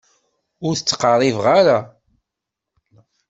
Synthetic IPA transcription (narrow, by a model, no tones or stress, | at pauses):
ʊɾθət͡sːqɑɾˤivʁaɾa